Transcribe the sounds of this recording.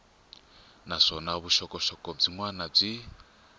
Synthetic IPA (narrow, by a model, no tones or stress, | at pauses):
naʂɔnaβuʃɔkɔʃɔkɔb͡ʐiŋwanab͡ʐi